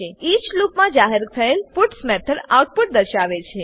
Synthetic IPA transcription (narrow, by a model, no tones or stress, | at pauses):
eit͡ʃlupmãd͡ʒaɦeɾt̪ʰəelpuʈsmɛt̪ʰəɾa̰wʈ̚puʈ̚d̪əɾʃaʋet͡ʃʰe